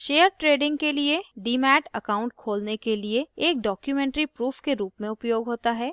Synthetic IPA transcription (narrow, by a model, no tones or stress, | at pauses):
ʃeːjəɾʈɾeːɖɪ̃ŋɡkelieɖiːmɛːʈɐkaːʊ̃ɳʈ̚kʰoːlnekelieːk̚ɖɔːkjumɛ̃ːɳʈɾipɾuːfʰkeɾuːpmẽʊpjoːɡɦoːt̪aɦɛː